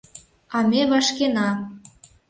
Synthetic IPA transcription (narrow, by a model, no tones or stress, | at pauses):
ɑmʲeβɑʃkenɑ